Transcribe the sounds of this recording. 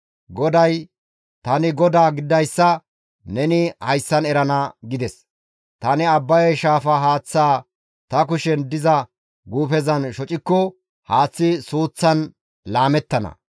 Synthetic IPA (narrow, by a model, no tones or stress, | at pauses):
ɡɔd̪ɐj | t̪ɐnɪɡɔd̪aːɡɪd̪ɐjsːɐ | nɛnɪhɐjsːɐnɛɾɐnɐɡɪd̪ɛs | t̪ɐnɪɐbːɐjɛʃaːfɐɦaːt͡sːaː | t̪ɐk̬ʊʃɛnd̪ɪzɐ | ɡuːfɛzɐnʃɔt͡ʃʼɪkːɔ | haːt͡sːɪsuːt͡sːɐn | laːmɛt̪ːɐnɐ̰